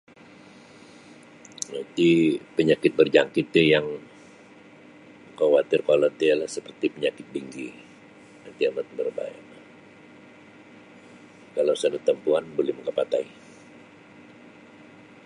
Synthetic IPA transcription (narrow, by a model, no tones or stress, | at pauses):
nat̪ipəɲakɪt̪̚bərd͡ʒaŋkɪt̪jajaŋ | kawat̪ɪrkolat̪ialahsəpərt̪ipəɲakɪt̪̚biŋɡi | nant̪iamat̪̚bərba̰ja̰na | kalawsadət̪ːəmpuanbolɛhməŋkapat̪ai